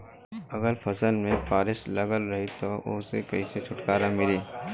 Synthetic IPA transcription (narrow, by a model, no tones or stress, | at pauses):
ɐɡəɾpʰɐsəlmẽpaːɾɪʃlɐɡəlɾɐɦit̪oʊ̰ːsekɐɦiset͡ʃʰʊʈkaːɾamɪliː